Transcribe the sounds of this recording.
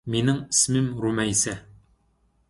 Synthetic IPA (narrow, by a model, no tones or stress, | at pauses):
minɘŋɘ̥̆smɘmɾumæjsæ